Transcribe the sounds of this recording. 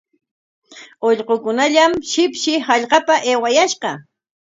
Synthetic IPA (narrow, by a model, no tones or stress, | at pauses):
oʎqokʊnaʎamʃɪpʃɪhɑʎqɑpaʔewajaʃqɑ